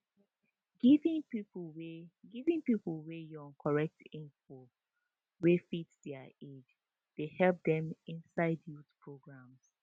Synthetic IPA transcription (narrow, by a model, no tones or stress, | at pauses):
ɡivĩŋpipweɡivĩŋpipl̩ˠwejɔ̃nkʰɔɹɛk̚tĩnfɔ | wefitdɛəed͡ʒ | d̥ehɛlp̚dɛ̃mĩnsaɪdjutpʰɹoɡɹãms